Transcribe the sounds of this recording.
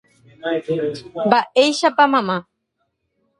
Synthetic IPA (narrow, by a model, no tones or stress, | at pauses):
baejʃapamama